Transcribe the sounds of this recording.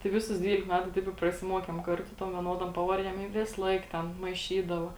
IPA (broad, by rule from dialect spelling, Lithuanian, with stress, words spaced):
tɐɪ ˈʋʲɪˌsʊs ˈdʲʋʲiːlʲɪk ˈmʲæːtʊ ˈtɐɪp ɪ prɐsʲɪˈmuɔkʲeːm ˈkɐrˌtʊ ˈtoːm ʋʲiɛˈnoːdoːm ˈpɑːʋɐrʲˌdʲiɛm ɪ ˈʋʲɪsˌlˠɐɪk ˈtʲɛn mɐɪˈʃʲiːdɐʋɐ